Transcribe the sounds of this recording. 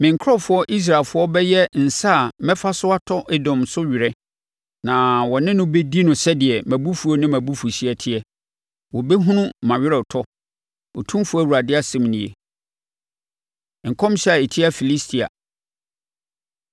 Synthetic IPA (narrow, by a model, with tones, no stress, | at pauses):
mɪ̃˨ŋ˨kʰɔ˦fʊ˨˦ɔ˦ʔi˦s̬ɾa˨lfʊ˦ɔ˦bɛ˦jɛ˦n̩˨sa˦˨mɛ̃˦fa˦sʊ˦a˦tʰɔ˦ʔɛ˦dɔ̃˨msʊ˦ɥɪ˨ɾɛ˦ | nã˨wɔ˨nɪ̃˦nʊ̃˦be˦di˦nʊ̃˨sɛ˦dɪ˨ɛ˨mæ̃˨bu˦fu˨ɔ˦nɪ̃˦mæ̃˨bu˦fu˨ɕi˦ɛ˨tʰɪ˦ɛ˦ | wɔ˨bɛ˦ɦũ˦nʊ̃˦mã˨ɥɪ˦ɾɛ˨tʰɔ˦ | ɔ˨tʰũ˦m˦fʊ˦æ˦˨wu˨ɾa˨dɪ˦a˦sɛ̃˦m˦nɪ̃˨ḛ˨ | ŋ̩˨kʰɔ̃˦m˦ɕɛ˦a˨e˨tʰi˦a˨fi˨li˦stʰi˨a̰˨